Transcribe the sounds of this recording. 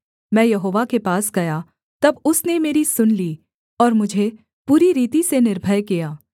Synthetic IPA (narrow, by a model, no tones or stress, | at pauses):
mɛ̃ːjɐɦoːʋakepaːsɡɐja | t̪ɐbʊsnemeːɾisʊnliː | ɔːɾmʊd͡ʒʱe | puːɾiɾiːt̪isenɪɾbʱəjkijaː